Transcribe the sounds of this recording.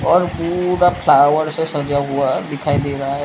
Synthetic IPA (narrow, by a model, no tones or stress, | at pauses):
ɔɾpuɾapʰlawəɾsesəd͡ʒaɦuad̪ikʰajd̪eɾaɦaɦɛ